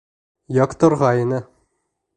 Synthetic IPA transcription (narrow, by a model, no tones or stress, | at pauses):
jɑqt̪ŏɾʁɑinɘ